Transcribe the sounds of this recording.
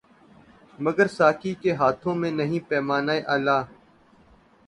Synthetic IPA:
məɡəɾsaːkiːkeɦaːt̪ʰõːmẽːnəɦĩːpɛːmaːnaːeʔaːlaː

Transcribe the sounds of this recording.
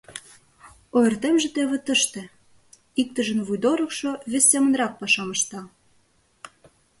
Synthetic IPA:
oert̪emʒĕt̪eβĕt̪ə̆ʃt̪ĕ | ik̚t̪ə̆ʒə̆nβujd̪oɾɤ̆kʃoβesʲːemə̆nrɑk̚pɑʃɑmɤ̆ʃt̪ɑ

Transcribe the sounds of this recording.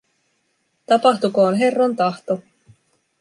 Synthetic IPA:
t̪ɑpɑxt̪ukoːnɦe̞rːont̪ɑht̪o

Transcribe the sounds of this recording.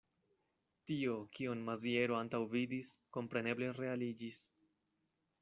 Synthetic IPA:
tio̞kionmazie̞ɾo̞antawvidisko̞mpɾe̞ne̞ble̞ɾe̞alid͡ʒis

